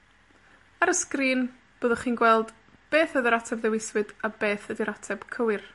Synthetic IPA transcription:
aɾəskriːn | b̥oːðəχiːnɡwɛlˠd | b̥eːθəðəɾatʰɛbðɛwɪswɨdabeːθəðiɾatʰɛb̥kʰəwɪr

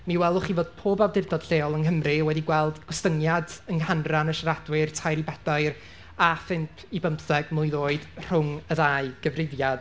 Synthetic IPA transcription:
miwɛlˠɔχivoːd̥̚pʰoːbawdɪrdɔd̥ɬeːɔlˠənɦəmrɨwɛdiɡwɛlˠdɡ̥ɔstəŋjadəŋhanranəʃradwɪrtʰajɾibɛdaɨr | afɪmpʰibəmpθɛɡ̥mʊjðoːɨd̥r̥ʊŋəðaɨɡ̥əvrɪvjad̥

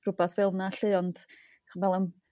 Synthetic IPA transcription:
rʊbaθvɪlˠnaɬɨːɔnt | χvɛlˠam

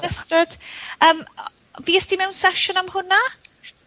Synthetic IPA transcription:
əstəd̥əm | viːɛstimɛwnsɛʃʊnamhʊna

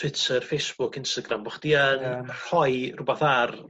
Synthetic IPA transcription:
tʰwɪtʰərfejsb̥ʊkɪnstaɡrambɔχd̥iənr̥ɔjrʊbaθar

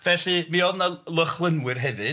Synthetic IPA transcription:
vɛɬimiɔvnalˠəχlˠənwɪrɦɛvɨ

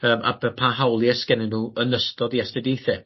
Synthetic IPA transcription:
əːmʔa̰bəpʰaːɦawlˠjaskɛnɪnuːənəstɔdiastɛdejθɛ

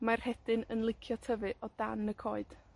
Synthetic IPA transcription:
mar̥hɛd̥ɨnənlˠɪkʰjɔtʰəvɨʔɔd̥anəkʰoːɨd̥

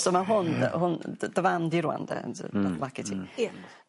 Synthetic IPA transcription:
sɔmaɦʊnhʊnd̥əvandiɾwa̰ndɛ̰ablakɛtʰi

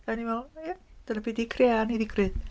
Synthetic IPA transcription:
añimat̪ənapid̪ikʰɾeanid̪ikɾet̪̚

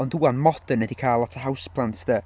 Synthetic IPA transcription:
ɔnduːanmɔd̥ənədikʰaːlˠatʰəɦawspʰlˠantʰðə

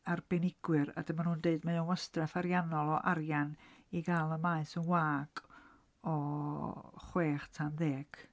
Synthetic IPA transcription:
arb̥ɛnɪɡ̥wɨɾa̰dəmanhuːndeɨdmajɔwəstrɛfaɾjanɔlˠɔʔaɾjaniɡalˠəmaɨsənwaːɡ̥ | ɔ | χweːχtʰanðeːɡ̥

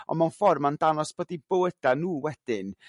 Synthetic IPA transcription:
ɔ̰nmawnfɔrmandanɔsb̥oːdibowəd̥anuːwɛd̥ɪn

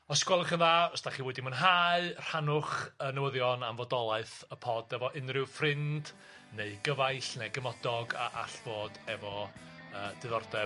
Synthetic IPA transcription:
ɔskwɛlˠəχənðaːɔsd̥aχiːwɛdimənɦaːɨr̥anʊχənəwəðjɔnamvɔdɔlˠaɨθəpʰɔːdɛvɔʔɪnrɪwfrɪnd̥ | neɨɡəvajɬnɛɡəmɔdɔɡa̰ʔaɬv̥oːdɛvɔəːdɨðɔrdɛ

